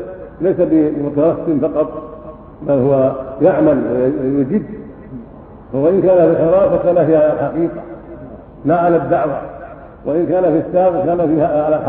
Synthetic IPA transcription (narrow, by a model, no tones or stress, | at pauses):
lajsabɪmʊt̪ɑɾɑstɪmfɑqɑt̪ˤ | balhʊwajaʕmalwajʊd͡ʒɪd̪ | awaʔɪnkaːnafilħɪɾˤɑːfakaːnahihħaqiːqa | naʕalad̪ːaʕwa | wʔaʔɪnkaːnafisːaːɣkaːnafiːhaʕala